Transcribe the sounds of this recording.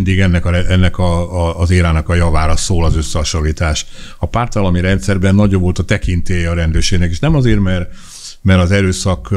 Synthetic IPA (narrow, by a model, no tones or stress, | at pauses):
nd̪iɡɛnːɛkɒɛɛnːɛkɒːzeːɾaːnɒkɒjɒvaːɾɒsoːlɒzø̞sːɛɦɒʃoliːt̪aːʃɒpaːrt̪ɒlɒmiɾɛnt̪sɛrbɛnːɒɟobo̞lt̪ɒt̪ɛkint̪eːjɛɒɾɛnd̪øːrʃeːɡnɛkeːʃnɛmɒzeːrmɛr | mɛɾɒzɛɾøːsɒk